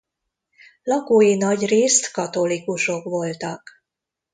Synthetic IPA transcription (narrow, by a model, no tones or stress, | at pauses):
lɒkoːjinɒɟreːst̪kɒt̪o̞likuʃo̞kʋo̞lt̪ɒk